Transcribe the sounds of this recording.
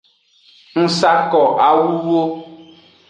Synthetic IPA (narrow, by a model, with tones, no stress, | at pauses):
ŋ̩˦sa˦kɔ˨ʔa˨wu˦wo˦